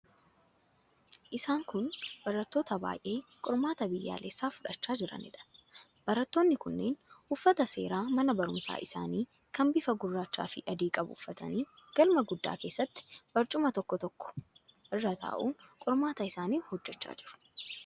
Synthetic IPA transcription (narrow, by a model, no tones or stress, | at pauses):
ʔɪsaːŋkʊnb̥ɐɾɐt̪ːo̞ːt̪ɐba̰ːjʔe̞ːkʼʊɾmaːt̪ɐbɪjːa̰ːlesːaːfʊᶑɐt͡ʃːaːd͡ʒɪɾɐ̰nɪ̰ᶑɐ̥ | b̥ɐɾɐt̪ːoːnːɪkʊnːeːnʊfːɐt̪ɐse̞ːɾaːmɐnɐbɐɾʊmsa̰ːʔɪsa̰ːniː | kɐmbɪfɐɡʊrːaːt͡ʃːa̰ːfɪ̰ʔɐd̪iːkʼɐbʊ̰fːɐt̪ɐ̰niːɡ̥ɐlmɐɡʊd̪ːa̰ːke̞ːsːɐt̪ːɪ̥b̥ɐɾt͡ʃʼʊmɐt̪ɔkːɔt̪ɔkːɔ̥ | ɪrːɐt̪ʰa̰ːʔuːŋkʼʊɾmaːt̪ɐɪsaːniːhɔd͡ʒːɛt͡ʃːa̰ːd͡ʒɪɾʊ̥